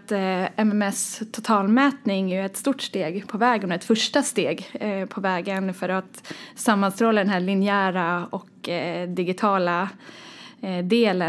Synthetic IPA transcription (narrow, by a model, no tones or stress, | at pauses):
t̪ɛmɛmɛst̪ʰʊt̪ʰɑːlmɛːt̪nɪŋæjɵɛt̪st̪uːʈʂt̪eːɡpʰɔvɛːɡhʊnaɾɛt̪fœʂʈast̪eːɡpʰɔvɛːɡənfœɾat̪samːanst̪ɾoːlad̪ɛnɦæːɭɪnɪæːɾaɔkd̪ɪɡɪt̪ʰɑːla | d̪eːlə